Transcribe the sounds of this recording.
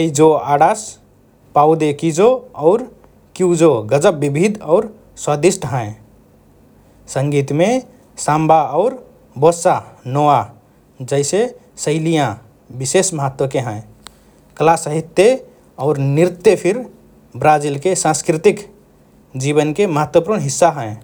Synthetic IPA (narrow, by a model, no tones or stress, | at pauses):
eid͡ʒoaɽas | paud̪ekid͡ʒoɔʊɾ | kiud͡ʒoɡəd͡ʒəbːibʱid̪ɔʊɾ | swəd̪isʈɦə̃ẽ | səŋɡit̪me | sãmbaɔʊɾ | bosanoa | d͡ʒəɪse | səɪlijã | bisesməɦət̪wəkeɦə̃e | kəlasəɦit̪ːje | ɔʊɾniɾt̪ːepʰiɾ | bɾad͡ʒilkesãskɾit̪ik | d͡ʒibənkeməɦət̪wəpuɽ̃ɦisːaɦə̃ẽ